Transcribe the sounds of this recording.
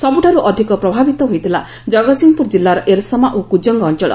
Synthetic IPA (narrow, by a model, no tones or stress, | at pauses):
sɔbuʈʰaɾuʔɔd̪ʱikɔpɾɔbʱabit̪ɔɦojt̪ʰila | d͡ʒɔɡɔsiŋpuɾd͡ʒilːaɾɔʔeɾsɔmaʔokud͡ʒɔŋɡɔːnt͡ʃɔɭɔ̰